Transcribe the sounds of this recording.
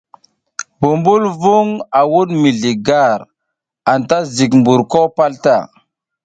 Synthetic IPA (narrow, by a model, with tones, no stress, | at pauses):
bu˨mbu˦lvu˦ŋa˨wu˦ɗmi˨ɮi˨ɡa˦˨ɾ | a˨nta˦zi˨kmbu˨ɾko˦pa˦lta˦˨